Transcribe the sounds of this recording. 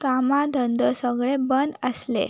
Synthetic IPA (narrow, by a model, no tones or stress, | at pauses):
kamad̪ʱənd̪əsəɡɭebənd̪əslḛ